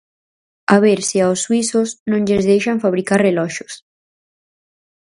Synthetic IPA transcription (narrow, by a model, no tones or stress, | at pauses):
aβ̞eɾsɪawsːwisʊsnõŋʎezðejʃaɱfaβɾikarrelɔʃʊs